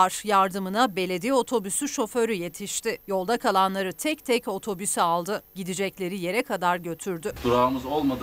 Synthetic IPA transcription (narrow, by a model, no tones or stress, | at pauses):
ɾjaɾd̪ɯmɯnabe̞lʲe̞d̪ijo̞t̪ʰo̞bysyʃo̞fø̞ɾyje̞t̪ʰiʃt̪ɪjo̞lˠd̪akʰalˠanlˠaɾɯt̪ʰɛc̚t̪ʰɛco̞t̪ʰo̞bysɛalˠd̪ɯɟid̪id͡ʒɛclʲe̞ɾije̞ɾɛkʰad̪aɾɟø̞t̪ʰyɾd̪yd̪uɾaːmɯzo̞lˠmad̪